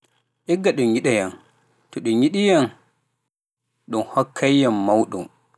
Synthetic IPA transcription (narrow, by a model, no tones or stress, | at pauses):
ʔɛɡːaɗuɲiɗajan | tɔɗuɲiɗijan | ɗunhɔkʰːajjamːawɗṵm